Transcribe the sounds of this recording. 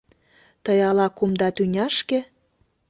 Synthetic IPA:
t̪əjɑlɑkumd̪ɑt̪ynʲɑʃke

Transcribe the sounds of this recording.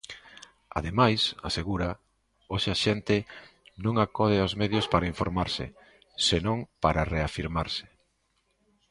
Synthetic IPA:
a̰ðemajsaseɣuɾa | oʃaʃɛnt̪ɪnõŋakɔðɪaozmeðjospaɾaiɱfoɾmaɾsɪ̰ | senõŋpaɾareafiɾmaɾsɪ̥

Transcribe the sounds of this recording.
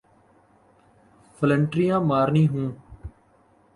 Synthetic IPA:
pʰələɳʈɾɪjãːmaːɾnĩːɦũː

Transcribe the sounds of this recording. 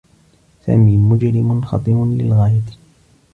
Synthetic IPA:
sa̰ːmiːmʊd͡ʒɾɪmʊnxɑ̰t̪ˤɨmʊnlɪ̰lɣaːjat̪

